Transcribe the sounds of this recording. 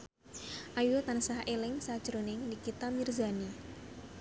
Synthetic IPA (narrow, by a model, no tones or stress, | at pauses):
ʔajut̪ansahelɪŋsad̥ʒ̥ɾonɪŋnikit̪amirzani